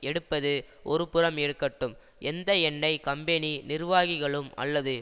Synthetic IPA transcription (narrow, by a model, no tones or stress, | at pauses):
ɛɽɯpːɐðɯʔɔɾɯpɯɾɐmeːɽkːɐʈːɯm | ʔɛnd̪ɐɛɳːɐɪkɐmbɛninɪɾʋaːɣɪɣɐɭɯmɐ̰lːɐðɯ